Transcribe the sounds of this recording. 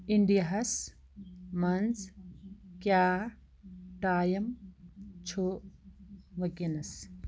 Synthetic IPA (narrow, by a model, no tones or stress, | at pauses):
iɳɖijɐɦɐs | mɐnz | kjaː | ʈaːjɐm | t͡ʃʰoː | ʋɐkinɐs